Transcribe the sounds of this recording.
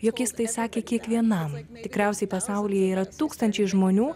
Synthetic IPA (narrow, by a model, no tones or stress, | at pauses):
joːkʲjɪst̪ɐɪsɑːkʲeːkʲiɛkʋʲiɛnɐmt̪ʲɪkɾʲɛˑʊsʲɛɪpɐsɐʊlʲijɛiːɾɐt̪uːkst̪ɐnʲt͡ʃʲɛɪʒmoːnʲuː